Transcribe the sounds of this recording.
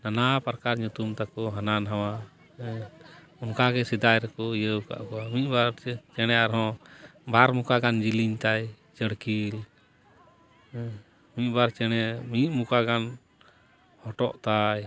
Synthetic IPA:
nanapɾkaɾɲut̪umt̪akɔɦananɦawa | unkaɡɛsid̪ajɾɛkɔjəwka̰ʔkɔwamiʔ̚baɾt͡ʃɛɽ̃ɛaɾɦɔ̃baɾmukaɡand͡ʒiliɲt̪aj | t͡ʃəɽkil | miʔ̪̚ˀbaɾt͡ʃɛɽ̃ɛmiʔmukaɡan | hɔʈɔʔt̪aj

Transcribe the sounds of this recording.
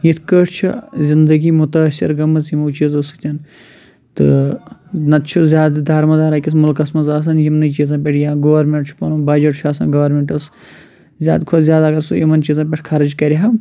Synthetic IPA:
jit̪ʰkəʈʰt͡ʃʰḭzʲind̪əɡimʊt̪ɐsḭɾɡɐmɐzjimːt͡ʃizosɨ̥kt̪ʲɐn | t̪ɨ̰ | nɐt̪t͡ʃʰuzʲaːd̪d̪ʱaːɾmɐd̪aːɾaːkʲismulkɐsmɐzaːs̬ɐnjimnɐt͡ʃiːzɐ̃ːpʲeʈʰjãːɡɐʋɐɾmeɳʈt͡ʃʰu̥pɐnubɐːd͡ʒɐʈt͡ʃʰuaːsɐ̰nɡɐʋɐɾmeɳʈɐs | zʲja̰ːd̪kʰozʲjaːd̪aːɡɐɾsṵjimɐnt͡ʃiːzɐ̃ːpʲeʈʰʲkʰɐɾɨd͡ʒkɐɾʲiɦam

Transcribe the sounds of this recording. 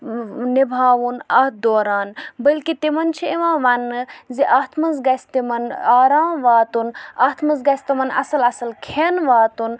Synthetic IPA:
nibʱaːʋunɐt̪̚ʰd̪oːɾaːnbɐlkit̪imɐnt͡ʃʰieʋãːʋɐnːɨziʔaːt̪ʰmɐzɡɐsʲt̪imɐnaːɾaːmʋaːt̪unaːt̪ʰmɐnzɡɐsʲt̪ɐmɐnɐ̰sɐlɐsɐlkʰenʋaːt̪un

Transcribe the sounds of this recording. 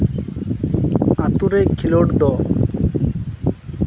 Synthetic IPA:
at̪uɾekʰiloɽd̪ɔ

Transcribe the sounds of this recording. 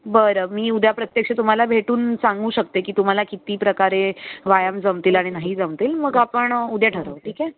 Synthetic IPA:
bəɾəmiːud̪ʱjapɾət̪jəkɕət̪um̤alabʱeʈuːnsaŋɡuːɕək̚t̪ekiːt̪um̤alakit̪iːpɾəkaɾeʋajamd͡zəmt̪iːlaɽ̃inaɦid͡zəmt̪iːlməɡapəɳud̪ʱjaʈʰəɾəʋʈʰiːke

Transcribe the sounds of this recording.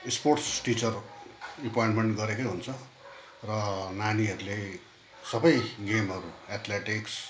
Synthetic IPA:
sporsʈit͡sʌripojẽɳʈmeɳʈɡʌɾekʌjɦunt͡sʰʌ | rʌnaniʌɾule | sʌbʌjɡemɦʌɾuat̪ʰleʈiks

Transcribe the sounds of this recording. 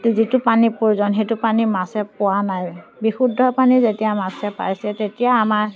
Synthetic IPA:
tzitʊpanipoɹizɔnɦetupanimasɛpʊwanajbixudʱːɔpanizetijamasɛpa̰ɹjsɛtetijaːmaɹ

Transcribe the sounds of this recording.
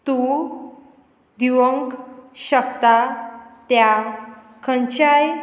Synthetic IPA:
t̪u | d̪iʋəŋkɕəkt̪at̪ja | kʰə̃nt͡ɕaj

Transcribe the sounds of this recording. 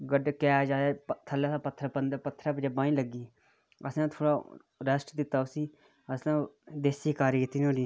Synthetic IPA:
ɡəɖkɛːd͡ʒaːaːt̪ʰəleːsãːpət̪ʰːəɾpənd̪pət̪ʰːɾapəd͡ʒebaːĩːləɡiː | əsãːt̪ʰoːɽaː | ɾəsʈd̪ɪt̪ːaːʊsiː | əsnãːd̪eːsiːkaːɾkɪt̪ːiːnoːɽiː

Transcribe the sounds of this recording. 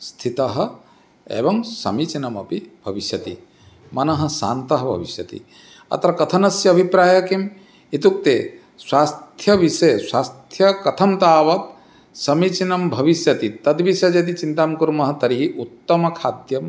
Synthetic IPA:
st̪ʰit̪ɐɦɐ | ḛːbɐŋsɐ̰mit͡ʃinɐmɐpibʱɐʋisjɐt̪ḭ | mɐnɐɦɐ̆sa̰ːnt̪ɐɦɐbʱɐ̰ʋisjɐt̪ḭ | ɐ̰t̪ɐɾɐkɐt̪ʰɐnɐsjɐɐbʱipɾaːjɐkim | it̪uk̚t̪eː | swaːst̪ʰjɐʋiʃɐjswaːst̪ʰjɐkɐt̪ʰɐmt̪aːʋɐt̪ | sɐmit͡ʃinɐmbʱɐʋisjɐt̪it̪ɐd̪ʋisɐd͡ʒɐt̪̬it͡ʃint̪aːmkuɾmɐɦɐt̪ɐɾiɦiʔut̪ːɐmɐkʰaːd̪jɐm

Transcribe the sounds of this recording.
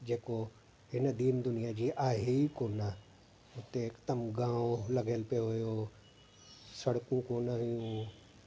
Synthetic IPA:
d͡ʑeːko | ɦɪnəd̪iːnd̪ʊnijad͡ʑiːʔaːɦeikoːnə | ʊt̪eɪkt̪əmɡãːolɐɡʱelpijoɦʊjo | sɐɽkũkoːnəɦijũ

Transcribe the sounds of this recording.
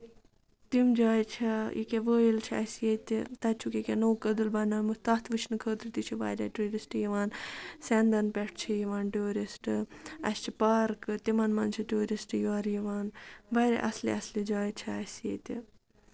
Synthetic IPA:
t̪imd͡ʒaːjt͡ʃʰɐḭkeʋəːjilt͡ʃʰiɐ̰sjet̪ʲit̪ɐt͡ʃʰukikʲenoːkəd̪ɨlbɐnɐlmut̪ɐt̪ʰʋɨt͡ʃʰnɨkʰəːd̪ɾit̪it͡ʃʰiʋa̰ːɾʲɐʈɾuːɾisʈjiʋaːnsɛnd̪ɐnpɛʈʰt͡ʃʰijiʋaːnʈuːɾʲisʈɨɐ̰st͡ʃʰipaːɾkɨt̪imɐnmɐnt͡ʃʰiʈuːɾisʈɨjoɐɾjiʋaːnbaːɾʲa̰ʔɐ̰slḭɐslid͡ʒaːjt͡ʃʰiɐsjḛt̪ʲi

